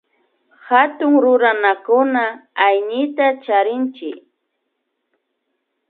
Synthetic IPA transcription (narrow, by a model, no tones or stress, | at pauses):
hat̪ʊŋɾʊɾanakʊnaːjɲɪt̪at͡ʃaɾɪnt͡ʃɪk